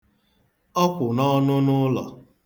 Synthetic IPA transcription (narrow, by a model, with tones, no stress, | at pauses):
ɔ˦kʷʊ˨nɔ˦nʊ˦nʊ˦lɔ̰˨